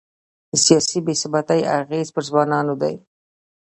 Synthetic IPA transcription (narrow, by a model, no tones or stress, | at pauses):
d̪̥əsijɑsibesɪbat̪aja̰ɣezpəɾzwɑnɑnod̪a̰j